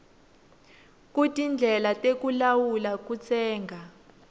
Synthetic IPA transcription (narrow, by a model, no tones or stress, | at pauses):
k̬utʼind͡ɮʱɛlatʼekulawulakut͡sʰɛːŋɡʱa